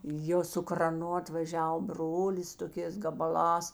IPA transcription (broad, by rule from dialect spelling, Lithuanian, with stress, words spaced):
ˈjoː sʊ krɐˈnʊ ɐtʋɐˈʒʲɛw ˈbroːlʲɪs toːˈkʲeːs ɡɐbɐˈlˠɑːs